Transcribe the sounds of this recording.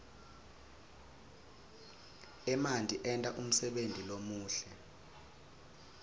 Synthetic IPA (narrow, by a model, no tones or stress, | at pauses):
ɛmantʼiʔɛntʼaʔum̩sɛɓentʼilomuːɬɛ